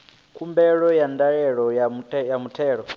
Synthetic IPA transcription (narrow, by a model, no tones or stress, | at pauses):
kʰumbɛɺɔjandaɺɛɺɔjamuɛjamutʰɛːɺɔ